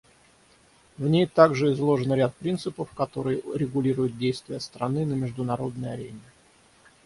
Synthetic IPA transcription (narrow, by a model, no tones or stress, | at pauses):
vnʲejt̪aɡʐɨɪzlˠo̞ʐɨnɾʲat̪̚pɾʲint̪sɨpəfkɐt̪o̞ɾɨjɾʲɪɡʊlʲiɾʊjʊt̪̚dʲejst̪vʲɪjəst̪ɾɐnɨnəmʲɪʐd̪ʊnɐɾo̞d̪̚nəjɐ̰ɾʲenʲɪ